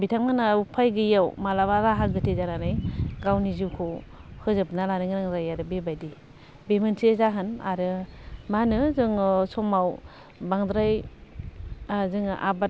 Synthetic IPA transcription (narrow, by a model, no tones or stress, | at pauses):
bitʰaŋnanaupʰajɡɯjawmalaβalaɦaɡɯtʰezananajɡawniziwkʰohɯzɯpnalanɯŋɾaŋzajaɾɯbebajdi | bemɯnsizaɦɯna̰ɾɯmanɯzɯŋsɔmaw | baŋd̪ɾaj | zɯŋʔa̰ba